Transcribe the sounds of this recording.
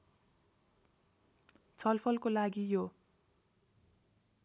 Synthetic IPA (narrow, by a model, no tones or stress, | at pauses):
t͡sʰʌlpʰʌlkolaɡijo